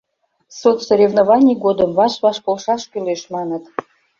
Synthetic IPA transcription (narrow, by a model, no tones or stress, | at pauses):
sot̪soɾʲevnovɑnʲijɡod̪əmvɑʃβɑʃpolˠʃɑʃkyleʃmɑnət̪